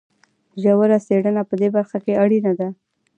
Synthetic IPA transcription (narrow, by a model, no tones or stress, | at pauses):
ʒawəɾaseɽənapəd̪ebaɾxakeaɽinad̪a